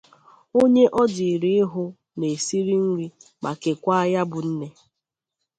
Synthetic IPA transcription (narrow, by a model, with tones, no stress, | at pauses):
o˦ɲe˦ʔɔ˦dɪ˨ɾi˨˦ɪ˦ɦʊ˦ | ne˨si˦ɾi˦ŋ̩˦ŋi˦ma˨ke˨kʷa˦a˦ja˦bʊ˨n̩˦ne˦